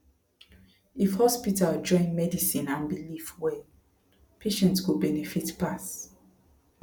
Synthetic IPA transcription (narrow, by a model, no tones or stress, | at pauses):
ifhɔspitald͡ʒɔ̃ɪ̃nmɛdisĩnãnbilifwɛ | pʰeʃɛ̃ntskubɛnɛfitpas